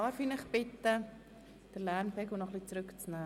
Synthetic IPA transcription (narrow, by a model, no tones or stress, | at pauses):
ɑːfiːnəχbɪt̪ə | d̥əlɛɾmfɛkunɔχlit͡sɾʏkt͡snaː